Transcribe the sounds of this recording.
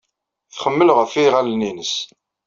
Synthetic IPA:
θχəmːəlʁəfiʁaləninəs

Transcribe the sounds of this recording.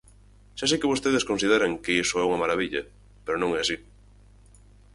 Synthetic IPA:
ʃasekɪβost̪eðeskonsiðeɾɐŋkeisoɛuŋɐmaɾaβiʎɐ̰ | peɾonõŋɛasi

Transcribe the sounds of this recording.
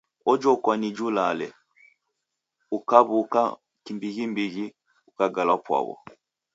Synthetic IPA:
ɔd͡ʒɔkwanid͡ʒulalɛ | ukaβuka | kimbiɡimbiɡi | ukaɡalapwa̰βɔ̰

